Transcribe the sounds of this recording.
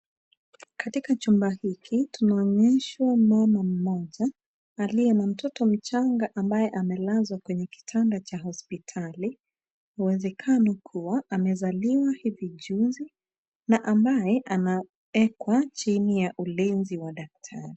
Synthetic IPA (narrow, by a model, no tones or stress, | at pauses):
katikat͡ʃumbahikʰitunaɔːɲɛʃwamɔmam̩mɔʄaː | liɛnam̩tʰɔtɔm̩t͡ʃaŋɡaʔambajɛʔamɛlazwakwɛɲɛki̥tʰandat͡ʃaɦɔspitʰali | uwɛzɛkʰanɔkʰuwaʔamɛzaliwahiviʄuzi | naʔambajɛʔana | ɛkwat͡ʃinijaʔulinziwaɗak̚tʰaɾi